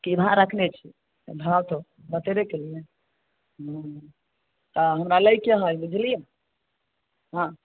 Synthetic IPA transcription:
kibʱãɾəkʰnet͡ʃʰi | bʱawt̪ɔ | bət̪eɾekelijẽ | ɦã | t̪aɦəmɾaləjkeɦəjbid͡ʒʱlijã | ɦã

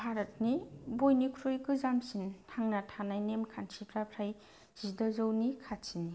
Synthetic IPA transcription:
bʱaɾət̚nibojnikʰɾujkɯzamsintʰaŋnatʰanajnemkʰansʰipʰɾapʰɾaj | z̥idɔzɔwnikʰatsini

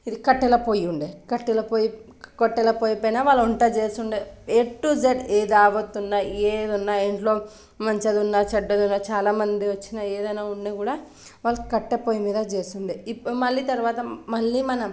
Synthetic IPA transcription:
id̪ikɐʈːɛlɐpoːjuɳɖekɐʈːɛlɐpoːji | koʈːɛlɐpoːjɐpojnaːʋaːɭːɐuɳʈat͡ʃeːsuɳɖeeːʈʈːud͡ʒeɖeːd̪aːbɐt̪ːunːaːed̪unːaːeɳʈlo̞ː | mɐɲt͡ʃɐd̪unːaːt͡ʃɐɖːɐd̪unːaːt͡ʃaːlaːmɐnd̪iʋɐt͡ʃːinaeːd̪ɐjnaːuɳːaːkuːɽaː | ʋaːɭːɐkɐʈːepoːjimiːd̪ɐt͡ʃeːsuɳɖiimɐɭːiːt̪ɐɾʋaːt̪ɐmɐɭːiːmɐnɐ

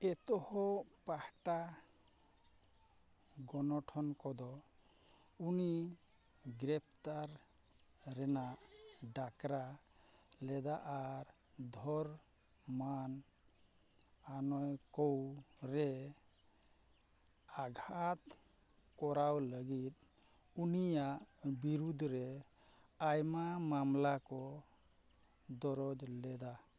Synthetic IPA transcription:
ɛt̪ɔhɔpahʈa | ɡɔnɔʈʰɔnkɔd̪ɔ | uni | ɡɾɛp̚ʰt̪aɾ | ɾɛnaʔɖakɾa | lɛd̪aʔaɾ | d̪ʱɔɾ | man | anɔjkɔwɾɛ | aɡʱat̪ | kɔɾawləɡit̪̚ | unijaʔbiɾud̪ʱɾɛ | ajmamamlakɔ | d̪ɔɾɔd͡ʒlɛd̪a

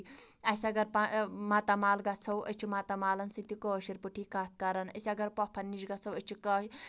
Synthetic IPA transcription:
ɐsɐɡɐɾpamat̪amaːlɡɐt͡sʰɐwə̰t͡ʃʰimat̪amaːlɐnsit̪ikoːʃiɾpuʈʰiːkaːt̪̚ʰkɐɾɐnɐ̰sʲɐɡɐɾpɔpʰɐnːiʃɡat͡sʰɐwət͡ʃʰikɐ

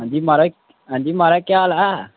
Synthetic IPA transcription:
ãd̪imaɾa | and̪imaɾakaala

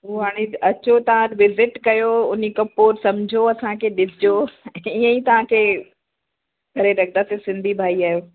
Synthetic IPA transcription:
ɦuɦaːɽ̃eɐt͡ɕot̪ɐʋ̤ãɾʋɪzɪʈkɐjoʊnikɐ̃poːɾsɐmd͡ʑʱoɐsãkʰeɗɪsɪd͡ʑoiə̃it̪ɐʋ̤ãkʰeː | ɡʱɐɾeɾɐk̚ʰd̪asẽsɪ̃nd̪ʱibʱaːiaːjoː

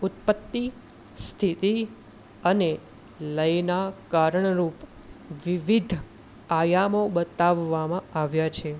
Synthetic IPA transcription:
ut̪pət̪ːi | st̪ʰit̪i | əne | ləjnakaɾəɳɾup | ʋiʋid̪ʱ | ajamobət̪aʋːamãaʋjat͡ʃʰe

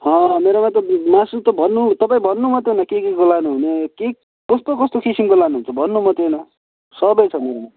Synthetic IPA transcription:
ɦʌ̃meɾomat̪ʌmasit̪ʌbʱʌnːut̪ʌpaĩbʱʌnːumʌt̪jonʌkekeɡʌlanuɦuneke | kʌst̪okʌst̪okisimkolanuɦunt͡sʰʌbʱʌnːumʌt̪ʰjenʌ | sʌbʌjt͡sʰʌmeɾoma

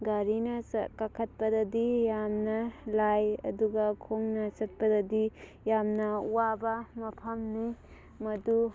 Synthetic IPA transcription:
ɡaɾinɐskakʰɐt̚pɐdɐdijamnɐlajɐ̰duɡɐkʰoŋnɐsɐt̚pɐdɐdi | jamnɐuwabɐmɐpʰɐmni | mɐdu

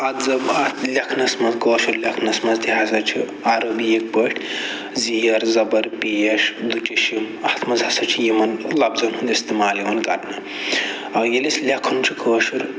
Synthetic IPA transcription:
ɐd̪zɐbɐt̪ʰlʲɐkʰnɐsmɐzkəːʃuɾlʲɐkʰnɐsmɐzt̪iɦɐsɐt͡ʃʰi | aɾɐbjek̚bəʈʰʲ | zijɐɾzɐbɐɾpijɐʃd̪uʈʲiʃim | ɐht̪ʰmɐzɦɐsɐt͡ʃʰijimɐnlɐbzɐnɦund̪iist̪imaːljimɐnkɐ̰ɾnɐ | ɐjelislʲɐkʰːunt͡ʃʰi̥kʰəːʃuɾ

